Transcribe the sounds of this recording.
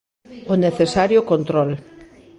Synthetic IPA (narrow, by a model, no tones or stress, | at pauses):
oneθesaɾjokont̪ɾol